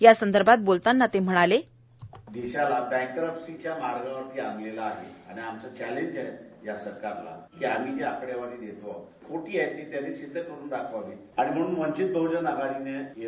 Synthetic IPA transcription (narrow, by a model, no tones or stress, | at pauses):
jasənd̪əɾbʱat̪̚bolt̪anːat̪em̤əɽ̃ale | d̪eɕalabɛ̃ŋkːəɾəpsit͡ɕjamaɾɡãʋəɾt̪iːa̰ŋɡlelaːɦḛa̰ɽ̃iamt͡sat͡ɕæleɲd͡ʑajjasəɾkaɾla̰kiam̤id͡ʑeapɽjaʋaɽiːd̪et̪ʋɔ̰kʰoʈiːajt̪ːiːt̪janːisid̪ʱːəkəɽuːnd̪akʰəʋʋi | aɽ̃im̤əɽ̃uːnmənt͡ɕit̪̚bʱəwd͡ʑənaɡaɽineje